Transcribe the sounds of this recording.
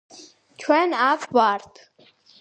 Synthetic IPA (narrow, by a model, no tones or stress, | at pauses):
t͡ʃʰwɛnapʰwaɾt̪ʰ